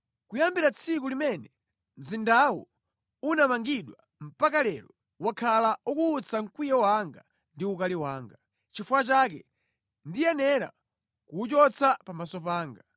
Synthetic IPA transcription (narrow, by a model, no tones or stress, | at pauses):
kujambiɾat͡sʰik̬ulimɛnɛ | m̩zindawɔ | unamaŋɡiɗwa | m̩pakalɛɾɔ | wakʰalaukuːt͡sʰaŋ̩kwijɛwaŋɡa | ndiukaliwaːŋɡa | t͡ʃifuat͡ʃakɛ | ndijanɛɾa̰ | kuːt͡ʃɔt͡sʰapamasɔpaːŋɡa